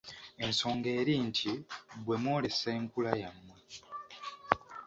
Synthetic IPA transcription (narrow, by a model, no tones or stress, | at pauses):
e̞nso̞ːŋɡe̞ːɾiːntʰibwe̞mwo̞ːle̞seːŋkulajamːwe̞